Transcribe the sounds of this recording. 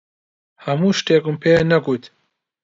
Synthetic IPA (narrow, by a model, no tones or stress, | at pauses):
hɐmuːʃʈeːkumpʰeːnɐkut̪